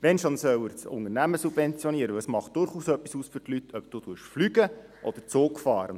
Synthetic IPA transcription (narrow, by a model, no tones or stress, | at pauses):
ʋɛnʃonsœwɪɾt͡sʊ̰ŋərnæməsub̥vɛnt͡sjɔniəɾəəsmɑχt̚d̥ʊɾχuːsœpːisuːsfʏrtlyt̪ʰœpd̥ud̥uəʃflyɡə | ʔɔd̪̥əɾt͡soːkfɑːɾə